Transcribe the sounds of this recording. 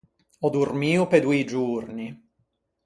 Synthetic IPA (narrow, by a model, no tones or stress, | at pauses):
ɔd̪urmiːuped̪uid͡ʒurni